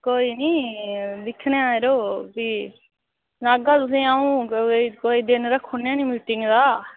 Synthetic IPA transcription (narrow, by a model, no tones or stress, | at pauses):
koːiːniːd̪ɪkʰːneːaːeɾoːbiː | laːɡaːt̪ʊsĩːaːũːkoːiːd̪ɪnɾəkʰːonaːnĩːmiːʈɪŋɡd̪aː